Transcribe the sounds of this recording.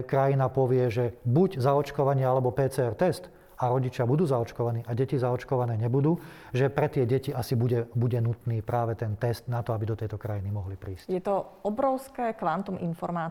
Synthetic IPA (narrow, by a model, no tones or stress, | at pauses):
kɾajinapɔʋɪɛʒɛbuɟzaɔt͡ʃkɔʋaɲɪɛalɛbɔpɛːt͡sɛɛɾt̪ɛst̪ | aɾɔɟit͡ʃɪabud̪uːzaɔt͡ʃkɔʋaniːʔaɟɛcizaɔt͡ʃkɔʋanɛːɲɛbud̪uː | ʒɛpɾɛt̪ɪɛɟɛciasibuɟɛbuɟɛnut̪niːpɾaːʋɛt̪ɛnt̪ɛst̪nat̪ɔabid̪ɔt̪ɛjt̪ɔkɾajinimɔɦlipɾiːscjɛt̪ɔɔbɾɔʊskɛːkʋant̪umʔinfɔɾmaː